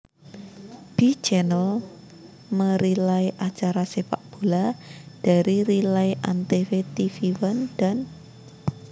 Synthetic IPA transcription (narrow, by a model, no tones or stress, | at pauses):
b̥i̥d͡ʒɛnəl | məɾilaiʔat͡ʃaɾasefa̰ʔb̥o̤lad̥a̤ɾiɾilaiʔant̪efet̪ifiwənd̪̥an